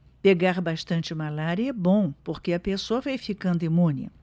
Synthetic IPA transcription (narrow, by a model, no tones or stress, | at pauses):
peɡaɾbaʃt̪ɐ̃nt͡ʃɪmalaɾjɐɛbõpoɾkeɐpesoɐvejfikɐ̃nd̪ʊimũnɪ̰